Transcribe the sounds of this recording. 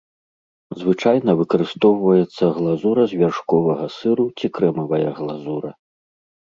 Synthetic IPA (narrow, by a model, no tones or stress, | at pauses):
zvɨt͡ʂajnɐvɨkɐɾɨst̪ɔwvɐjɛt̪sːɐɣlˠazuɾɐzʲvʲarʂkɔvɐɣɐsɨɾut͡sʲikɾɛmɐvɐjɐɣlˠazuɾɐ̰